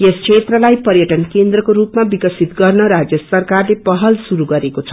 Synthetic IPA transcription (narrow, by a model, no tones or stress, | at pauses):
jeskʰet̪rʌlajpʌrjʌʈʌnkend̪rʌkoɾupmabikʌsit̪ɡʌrnʌɾad͡zjʌsʌrkarlepʌɦʌlsuɾuɡʌɾekot͡sʰʌ